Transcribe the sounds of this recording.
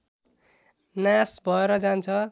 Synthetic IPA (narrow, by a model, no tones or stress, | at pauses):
nasbʱʌeɾʌd͡zant͡sʰʌ